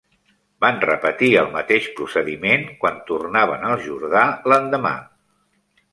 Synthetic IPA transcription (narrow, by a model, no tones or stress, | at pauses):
banrəpət̪iəlˠmət̪eʃpɾusəðimenkwant̪urnaβ̞ənəlˠʒuɾðalənd̪əma̰